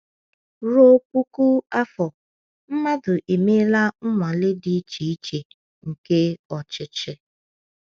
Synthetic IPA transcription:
ɾo˦pu˦ku˦a˦fɔ˨ | m̩˦ma˦dʊ˨ʔe˨me˦la˦ŋ̩˦ŋʷa˨lɪ˦di˨˦t͡ʃi˨i˦t͡ʃe˨ | ŋ̩˨ke˦ɔ˨t͡ʃɪ˨t͡ʃɪ˦

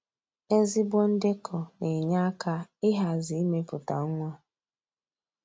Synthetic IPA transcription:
e˦zi˦bʷɔ˦n̩˦dɪ˦kʰɔ˨ne˨ɲa˦kʰa˦ɪ˦ɦa˨zi˨i˦me˦pʊ˨ta̰˨˦ŋʷa˦

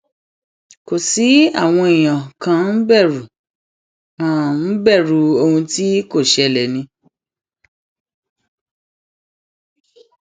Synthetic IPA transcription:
ko˨si˨˦a̰˦˨w̃ɔ̃˧i˨j̃ã˨kã˧n̩˦bɛ˦˨ɾu˨ | ã˦˨n̩˦bɛ˦˨ɾu˨o˧hũ˧ti˦ko˦˨ʃɛ˧˨lɛ˨nĩ˧

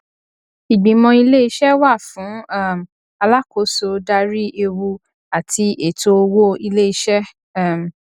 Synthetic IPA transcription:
i˨ɡ͡bĩ˨mɔ̃˧i˧le˦i˧ʃɛ˦wa˦˨fũ˨˦a˦˨m˨ | a˧la˦ko˨˦so˧da˧ɾi˦ʔe˧wu˧ | a˨tʰi˧ʔe˨to˧o˧wo˦i˧le˦i˧ʃɛ˦˨ | m˨

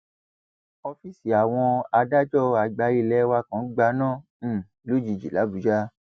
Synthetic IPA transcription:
ɔ˧fi˨si˨a˨w̃ɔ̃˧a˧da˦d͡ʒɔ˦˨a˨ɡ͡ba˧ɾi˧˨lɛ˦wa˧kã˨˦ɡ͡ba˧nãː˦˨˦ | lu˦d͡ʒi˨˧˨d͡ʒi˨la˨˦bu˨˦d͡ʒa˦

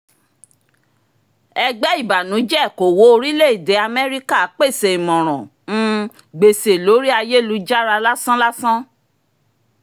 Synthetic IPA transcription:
ɛ˧ɡ͡bɛ˦i˦˨ba˨nũ˨˦d͡ʒɛ˦˨ko˨wo˨˦o˧ɾi˦le˦˨i˨de˨˦a˧mɛ˦ɾi˦ka˦a˨˦k͡pe˦˨se˨i˨mɔ̃˨ɾ̃ɔ̃˨ | ñ̩˦ | ɡ͡be˧se˨lo˨˦ɾi˦a˧je˦˨lu˨˧˦d͡ʒa˦ɾa˧la˦sã˦la˦sã˦

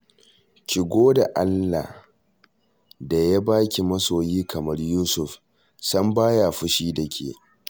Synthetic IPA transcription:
ʃʲɪ˨ɡʷoː˦da˨ʔa˦lːa̰˨ | da˨ja˦baː˦kʲi˨mɐ˦soː˨jiː˦kɐ˨mɐ˦rjuː˦sʊ˨ɸ | sɐ˦mbaː˦jaː˨ɸʊ˦ʃiː˦dɐ˨kʲʰḛː˨

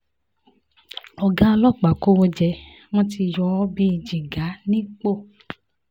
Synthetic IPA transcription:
ɔ˨ɡã˦˧lɔ˦k͡pa˨ko˦wo˧d͡ʒɛ˧ | w̃ɔ̃˦ti˧jɔ˧ɔ˦bi˦i˧d͡ʒi˨ɡa˨˦nĩ˦k͡po˦˨

